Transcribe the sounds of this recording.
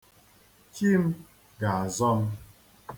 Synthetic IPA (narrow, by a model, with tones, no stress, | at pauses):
ki˦m̩˦ | ɡa˨a˨zɔ˦m̩˦